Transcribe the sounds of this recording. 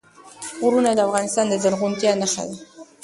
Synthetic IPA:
ɣɾunad̪əafɣɑnɪst̪ɑnd̪əzaɾɣunt̪jɑnəxa̰d̪a

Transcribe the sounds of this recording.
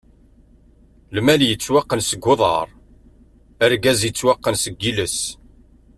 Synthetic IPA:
lmæljət͡sːwaqːənsəɡːʊðˤɑ̰ɾˤ | æɾɡæzjət͡sːwaqːənsəɡːiləs

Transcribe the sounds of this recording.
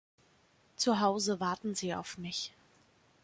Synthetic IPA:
t͡suɦaʊzəvaɐtn̩ziːa̰ʊfmɪç

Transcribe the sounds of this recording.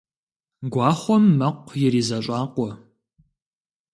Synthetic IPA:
ɡʷɑːχʷɔmːɐqʷːjɪɾiːzɐɕʼɑːqʷɔ

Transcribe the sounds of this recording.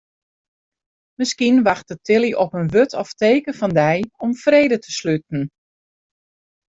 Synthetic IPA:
mɪskinʋaxtətʰɪliʔɔpənʋøtʰɔfteːkəfɑndɛjɔmfreːdətʰəslyt̚n̩

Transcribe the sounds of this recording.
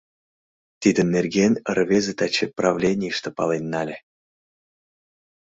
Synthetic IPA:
t̪id̪ʲə̆nerɡʲenʲrvʲezet̪at͡ɕeprɑvlʲenʲiʂt̪əpɑlˠenːɑlʲe

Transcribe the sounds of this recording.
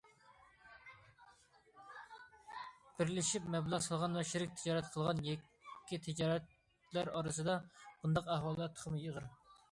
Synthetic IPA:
b̥ɪɾlɪʃipmɛblˠɑʁsɑlˠʁɑnvɛʃiɾɪkʲt̪ʰɪd͡ʒɑːɾɛt̪qʰəlˠʁɑnjɛkʲː | it̪ʰɪd͡ʒɑːɾɛt̪ | læɾɑɾɨsɨd̪ɑb̥und̪ɑqæhwɑlˠːɑt̪ʰə̥χʰmɨjəʁəɾ

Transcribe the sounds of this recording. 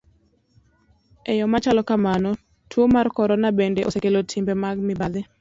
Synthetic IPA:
ɛjɔmat͡ʃalɔkamanɔ | tʰwomarkɔɾɔnabendeʔosekelotʰɪmbemaɡmɪbad̪ɪ

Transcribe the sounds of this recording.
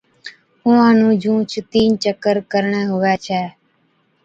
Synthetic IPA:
uːãːnũːd͡ʒũːt͡ʃʰt̪iːnt͡ʃəkːəɾkəɾɳɛːɦʊʋɛːt͡ʃʰɛː

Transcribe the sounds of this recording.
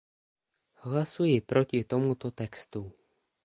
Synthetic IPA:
ɦlasujɪpɾʔocɪt̪omut̪ot̪ɛkst̪u

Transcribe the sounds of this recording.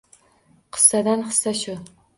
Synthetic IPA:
qʰɨ̥sːad̪anχɨ̥sːaʃʊ

